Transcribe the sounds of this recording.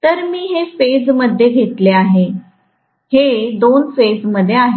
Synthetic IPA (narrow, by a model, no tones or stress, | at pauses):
t̪əɾmiːɦefed͡zməd̪ʱːjeɡʱet̪leaɦe | hed̪onfed͡zməd̪ʱːjeaɦe